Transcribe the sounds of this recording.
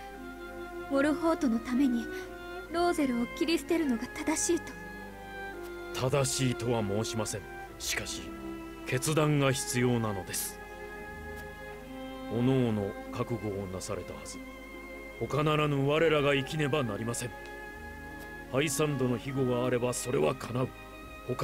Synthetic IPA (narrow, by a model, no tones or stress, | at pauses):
bo̞ɾɯ̟ho̞ːt̪o̞no̞t̪ame̞ɲ̟i | ɾo̞ːze̞ɾɯ̟okʲiɾʲisɨ̥t̪e̞ɾɯ̟no̞ɡat̪ad̪aɕiːt̪o̥ | t̪ʰad̪aɕiːt̪o̞βamo̞ːɕimasẽ̞ŋ̃ | ɕi̥kaɕi | kʰe̞t͡sɨd̪ãŋɡaçi̥t͡sɨjo̞ːnano̞d̪e̞sɨ̥ | ono̞ːno̞kakɯ̟ɡo̞ːnasaɾe̞t̪a̰hazɨ | ho̞kanaɾanoβaɾe̞ɾaɡaikʲine̞banaɾʲimasẽ̞ŋ | haisãnd̪o̞no̞çiɡo̞βaːɾe̞baso̞ɾe̞βakʰanaɯ̟ | ho̞k